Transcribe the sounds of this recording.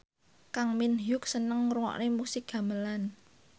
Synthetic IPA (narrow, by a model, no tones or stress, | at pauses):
kaŋminjʊk̚sənəŋruwɔ̰ʔnemusɪk̚ɡ̥a̤məlan